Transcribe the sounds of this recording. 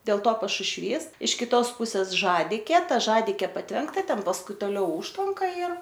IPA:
dʲeːlˠ ˈtoː pɐʃʊʃʲˈʋʲiːs ɪʃ kʲɪˈtoːs ˈpʊsʲeːs ˈʒɑːdʲɪkʲeː ˈtɐ ˈʒɑːdʲɪkʲeː pɐtʲˈʋʲɛŋktɐ ˈtʲɛn pɐsˈkʊɪ toːˈlʲɛʊ ˈʊʃtʋɐŋkɐ ɪr

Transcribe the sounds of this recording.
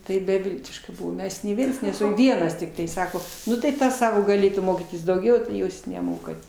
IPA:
tɐɪ bʲɛˈʋʲɪlʲtʲɪʃkɐ ˈmʲɛs nʲɛɪ ˈʋʲiɛns nʲɛˈsʊ ˈʋʲiɛnɐs tʲɪkˈtɐɪ ˈsɑːkoː ˈnʊ tɐɪ ˈtɐs ˈsɑːkoː ɡɐˈlʲeːtuː ˈmoːkʲiːtʲɪs dɐʊˈɡʲɛʊ tɐɪ ˈjuːs nʲɛˈmoːkɐt

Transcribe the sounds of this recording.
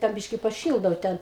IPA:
dɐr ˈbʲiːʃʲkʲɪ pɐˈʃʲiːlˠdɐʊ ˈtʲɛn

